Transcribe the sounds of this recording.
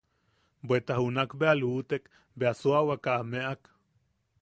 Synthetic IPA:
bʷet̪aɦunakbealuːt̪ek | beasuawakameʔak

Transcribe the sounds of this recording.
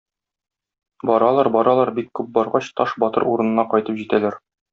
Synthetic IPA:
bɒɾɑlˠɑɾbɒɾɑlˠɑɾbikːʉp̚bɒɾʁɑɕt̪ɒʃbɒt̪ɤ̰ɾuɾɤ̆nɤ̆nɑqɒjt̪ɤpʑit̪ælæɾ

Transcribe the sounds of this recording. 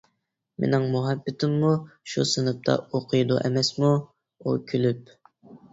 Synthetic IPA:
mḛnɪŋmuɦɛbːɪt̪ʰɪmːuʃṵsɨnɨp̚t̪ʰɑ̰oqʰɨjd̪uʔɛmɛsmu | ṵkʲʰylyp̚

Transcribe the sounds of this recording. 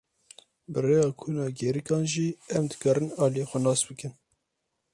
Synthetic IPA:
bɨreːjɑːkʰuːnɑːɡɛɾikɑːnʒiːɛmd̪ɨkʰɑɾɨnɑːlijexʷɛnɑːsbɨkɨn

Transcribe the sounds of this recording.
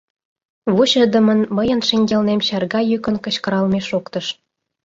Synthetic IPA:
βuɕə̆d̪ə̆mə̆nmə̆jə̆nʃeŋʲɡʲelnemɕɑrɡɑjykə̆nkɤ̆ɕkə̆ɾɑlmʲeʃokt̪ɤ̆ʃ

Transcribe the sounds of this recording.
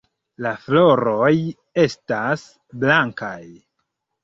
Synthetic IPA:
laflo̞ɾo̞j | e̞stas | blaŋka̰j

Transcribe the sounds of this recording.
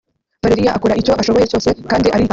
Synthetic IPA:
v̥aɾeɾijaʔakuɾaʔico̞ʔaʃo̞βo̞je̞co̞ːse̞kaːndiʔaɾi

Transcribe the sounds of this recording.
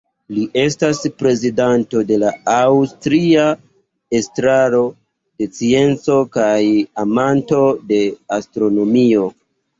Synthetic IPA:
liʔe̞staspɾe̞zidanto̞de̞laawstɾia | e̞stɾaɾo̞ | de̞t͡sie̞nt͡so̞kajamanto̞de̞astɾo̞no̞mio̞

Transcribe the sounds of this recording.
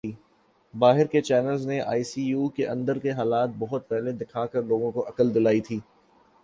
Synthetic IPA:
iː | baːɦɪɾket͡ʃɛːnəlzneʔa̰ːisiːjuːkeʔɐ̃nd̪əɾkeɦaːlaːt̪̚bɔɦʊt̪̚pɛɦled̪ɪkʰaːkɐɾloːɡõkoʔɐkəld̪ɪlaːit̪ʰiː

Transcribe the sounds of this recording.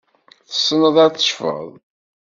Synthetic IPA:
θə̥sːənəðˤæɾθə̥ʃfə̰ðˤ

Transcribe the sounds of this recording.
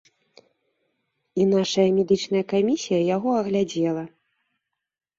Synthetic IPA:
in̪aʂɐjɐmʲɛd̪ɨt͡ʂnɐjɐkamʲisʲijɐjaɣɔɐɣlʲad͡zʲɛlˠɐ

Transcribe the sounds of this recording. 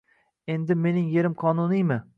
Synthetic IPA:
e̞nd̪ɪme̞nɪŋjeɾɪmqʰɒnʊnijmɪ

